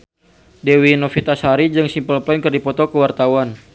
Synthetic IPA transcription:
dewinɔfit̪ashaɾid͡ʒɨŋsimpəlplɔnkərdipɔt̪ɔkəwart̪awan

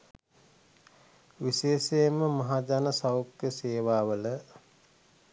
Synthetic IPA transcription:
ʋiʃeːʃeməmɐɦad͡ʒanəsawkəseːʋaːʋələ

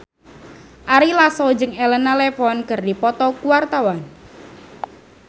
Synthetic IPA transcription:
ʔaɾilasɔd͡ʒəŋɛlənalɛfɔnkɨrdipɔt̪ɔkuwart̪awan

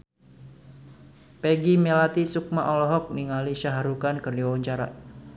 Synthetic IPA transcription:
peɡimelat̪isuk̚maʔɔlɔɦɔk̚niŋaliʃaɦaɾukankərdiwɔɲt͡ʃaɾa̰

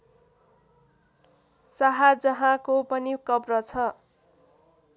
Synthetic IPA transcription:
saɦad͡zʌɦãkopʌnikʌbrʌt͡sʰʌ

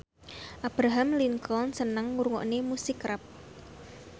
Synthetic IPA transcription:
ʔab̥ɾaɦamliŋkɔlnsənəŋmuɾŋɔ̰ʔnemusikɾap̚

